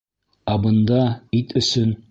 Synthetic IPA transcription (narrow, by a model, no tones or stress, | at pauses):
æbɤ̆nd̪ɑit̪ɵ̆sɵn